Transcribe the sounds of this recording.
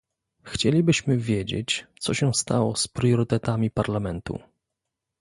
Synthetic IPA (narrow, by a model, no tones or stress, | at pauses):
xt͡ɕelʲibɘɕmɘvʲjed͡ʑḛt͡ɕt̪sɔɕɛst̪awɔspɾjɔɾɘt̪ɛt̪amʲipaɾlamɛnt̪ṵ